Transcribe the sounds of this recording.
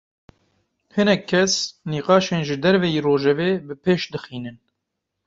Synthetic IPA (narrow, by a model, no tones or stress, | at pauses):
hɨnɛkʰːɛsniːqɑːʃeːnʒɨd̪ɛɾvɛjiːroːʒɛveːbɨpʰeːʃd̪ɨxiːnɨn